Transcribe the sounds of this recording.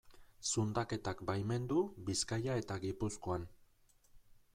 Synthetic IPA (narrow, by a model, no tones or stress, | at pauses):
sund̪ake̞t̪akbajme̞nd̪ubiskajae̞t̪aɡipuskoan